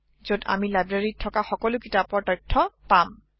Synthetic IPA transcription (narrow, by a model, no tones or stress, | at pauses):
zoda̰milajbɹaɹitʰːɔkaxɔkɔlʊkitapɔtajtʰːɔpam